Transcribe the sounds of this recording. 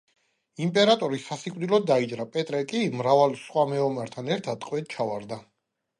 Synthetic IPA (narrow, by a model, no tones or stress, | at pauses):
impʼɛɾat̪ʼɔɾisasikʼvd̪ilɔd̪d̪ːaid͡ʒɾapʼɛt̪ʼɾɛkʼimɾavalˠsχwamɛɔmaɾt̪ʰanɛɾt̪ʰad̪qʼwɛt̪̚t͡ʃʰavaɾd̪a